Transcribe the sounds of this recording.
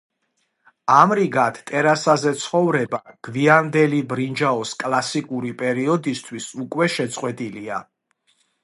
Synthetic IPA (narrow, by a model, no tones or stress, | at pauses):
amɾiɡat̪ʰt̪ʼɛɾasazɛt̪sʰχɔvɾɛbaɡ̥viand̪ɛlibɾind͡ʒaɔskʼlˠasikʼuɾipʼɛɾiɔd̪ist̪ʰwisukʼwɛʃɛt̪sʼqʼwɛt̪ʼilia